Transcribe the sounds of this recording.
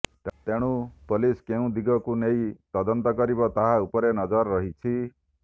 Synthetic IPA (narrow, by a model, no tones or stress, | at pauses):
t̪eɽ̃upoliskeũd̪iɡɔkunejt̪ɔd̪ɔnt̪ɔkɔɾibɔt̪aɦaupɔɾenɔd͡ʒɔɾːɔɦit͡ʃʰi